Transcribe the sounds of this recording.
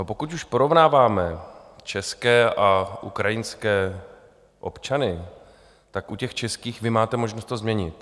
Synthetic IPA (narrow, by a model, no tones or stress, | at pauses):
nopo̞kut̪uʃpo̞ɾo̞vnaːvaːmɛt͡ʃɛskɛːʔaʔṵkɾajɪnskɛː | ʔo̞̰pt͡ʃanɪ | t̪akʔucɛxt͡ʃɛskiːxvɪmaːt̪ɛmo̞ʒnost̪ozmɲɛɲɪt̪